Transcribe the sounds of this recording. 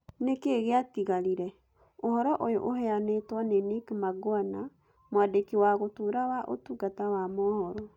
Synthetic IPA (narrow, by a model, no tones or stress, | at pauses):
nekeɣeatiɣaɾiɾɛ | ohɔɾɔʔojoʔoɦɛanetwɔnenekmaɡwana | mowadekiwaɣotoɾawaʔo̰tuɡatawamɔhɔɾɔ